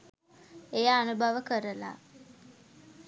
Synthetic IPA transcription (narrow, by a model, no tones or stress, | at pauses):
ejaːnubʱaʋəkəɾəla̰